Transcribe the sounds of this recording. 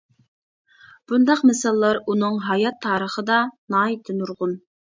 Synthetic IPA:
b̥und̪ɑqmɪsɑlˠːɑɾunɨŋɦɑjɑt̪ʰːɑːɾəχəd̪ɑnɑit̪ʰɪnuɾʁʊn

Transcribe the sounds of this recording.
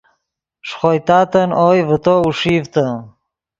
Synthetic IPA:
ʂχojt̪ɑːt̪ənoːjvət̪ouʂiːvt̪ə

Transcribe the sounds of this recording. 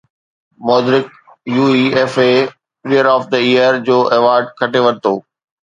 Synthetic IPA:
mɔːd̪ɪɾɪk̚ | juːieːfe | ɾijəɾɔːfd̪əijəɾd͡ʑoːʔeːʋaːɾɖ̚kʰɐʈeʋɐ̃ñt̪oː

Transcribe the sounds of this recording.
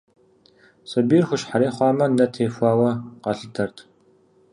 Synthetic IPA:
sɐbiːrxʷʊɕħaɾeːχʷɑːmɐnɐtʰeːfʷɑːwɐqɐɬɨtʰɐrtʰ

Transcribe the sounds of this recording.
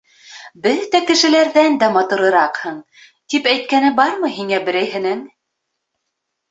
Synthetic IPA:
bɘðt̪ækɘ̆ʃɘ̆læɾðænd̪æmɑt̪ɤ̆ɾɤ̆ɾɑqhɤɴ | t̪ipæjt̪̚kænɘbɑɾmɤɦiŋæbɘ̆ɾæjɦɘ̆nɘŋ

